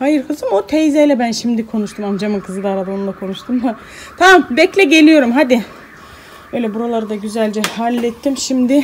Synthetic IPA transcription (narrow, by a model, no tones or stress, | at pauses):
hajɯɾkʰɯzɯmot̪ʰejzɛjlʲɛbænʃimd̪ikʰo̞nuʃt̪ʰumamd͡ʒamɯnkʰɯzɯd̪aːɾad̪ao̞nunˠakʰo̞nuʃt̪ʰɯmd̪a | t̪ʰamambɛclʲɛɟe̞lʲijo̞ɾumɦad̪i | øjlʲɛbuɾalˠaɾɯd̪aɟyzælʲd͡ʒɛhalʲːɛt̪ʰːimʃimd̪ɪ